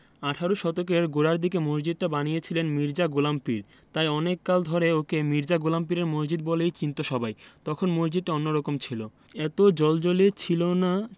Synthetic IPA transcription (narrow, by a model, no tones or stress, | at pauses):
aʈʰaɾuʃɔt̪ok̬eɾɡoɽaɾd̪ikemosd͡ʑid̪̚ʈabanijet͡ɕʰilenmiɾd͡ʑaɡolampiɾ | t̪ajɔnekːald̪ʱɔɾeokemiɾd͡ʑaɡolamp̬iɾeɾmosd͡ʑid̪̚bɔlejt͡ɕint̪oʃɔbʱajt̪ɔkʰonmosd͡ʑid̪̚ʈaonːoɾɔkomt͡ɕʰilo | ɛt̪od͡ʑɔld͡ʑolet͡ɕʰilona